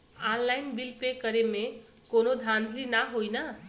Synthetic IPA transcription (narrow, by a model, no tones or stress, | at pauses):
anlajnbilpekʌɾeme | konod̪ʱãnd̪ʱlinaɦojnʌ